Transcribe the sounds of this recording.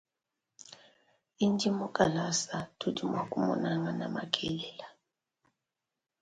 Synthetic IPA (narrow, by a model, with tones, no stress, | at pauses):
i˦nd͡ʒʱʼi˦mɔ˦kʼa˨la˦sa˨tʰu˦di˨ma˨kʼu˦mɔ̰˨na˦ŋa˨na˨ma˦kʰʼɛlɛla